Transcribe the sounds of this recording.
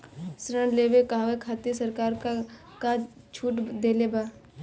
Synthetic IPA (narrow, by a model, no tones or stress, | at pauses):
sɾə̃ɳleʋekaɦʋekʰaːt̪isəɾkaːɾka | kad͡ʒ | t͡ʃʰuːʈd̪eːlebaː